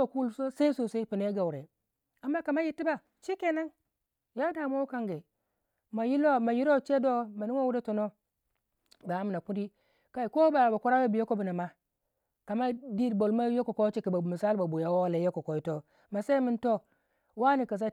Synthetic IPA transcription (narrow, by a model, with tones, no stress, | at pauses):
o˨ku˦lso˦sa˦i˦so˨se˦i˦pi˨ne˨˦ɡa˨wɾe˨ | a˨mːa˦ka˨ma˦ji˨tːi˦ba˨ | t͡ʃi˦ke˦na˦n | ja˦da˨mo˦wu˦ka˦ŋɡe˨ | ma˨ji˦lo˦ma˨ji˦ɾo˦˨t͡ʃe˦do˦ma˨ni˦ŋo˦wu˦de˦to˨no˦ | ba˨a˦mi˨na˨ku˦di˦ | ka˦i˨ko˦ba˨ba˨ku˦ɾa˦wo˦bi˨jo˦ko˦bna˨ma˦ | ka˨ma˦di˦˨bo˨lma˦jo˦ko˨ko˦t͡ʃi˦ki˨ba˨mi˨sa˦lba˨bu˨ja˨wo˦le˨˦jo˦ko˨ko˨i˦to˦ | ma˨se˦mi˦nto˦ | wa˦ni˨ka˨s̬a˦